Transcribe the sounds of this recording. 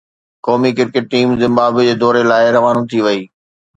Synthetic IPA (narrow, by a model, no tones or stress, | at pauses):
kɔːmikɪɾkɪʈ̚ːiːmzɪ̃mbaːbd͡ʑeːd̪ɔːɾelaːɪɾɐʋaːnũt̪ʰiʋɐiː